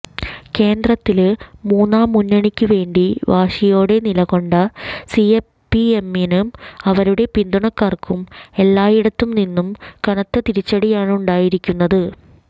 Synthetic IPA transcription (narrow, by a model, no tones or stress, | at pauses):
ke̞ːnd̪rɐt̪ːilmuːnːaːmːunːɐɳikʲːuʋe̞ːɳɖiʋaːʂijo̞ːɽe̞nilɐɣo̞ɳɖɐsie | pːiemenumɐʋɐɾuɽe̞pind̪uɳɐkːaːrkʰume̞lːaːjiɽɐt̪ːumninːumkɐɳɐt̪ːɐt̪iɾit͡ɕːɐɽijaːɳuɳɖaːjiɾikʲːunːɐðɨ